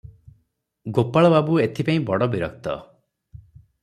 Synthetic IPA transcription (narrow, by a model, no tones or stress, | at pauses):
ɡopaɭɔbabuet̪ʰipaĩbɔɽɔbiɾɔk̚t̪ɔ̰